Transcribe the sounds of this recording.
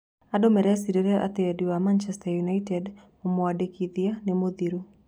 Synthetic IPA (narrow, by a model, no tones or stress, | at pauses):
adɔmɛɾɛasidɛɾɛʔa̰t̪ɛdiwamant͡ʃɛstajunaitɛdmomɔadekiðianemod̪iɾu